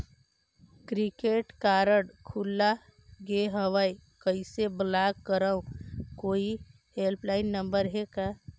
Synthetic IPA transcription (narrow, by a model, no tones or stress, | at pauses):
kɾikeːʈkaːɾəɽkʰulːa | ɡeɦəʋaikəiseblaːɡ̚kəɾəũkoːi | ɦelplaːɪnːə̃mbəɾɦekaː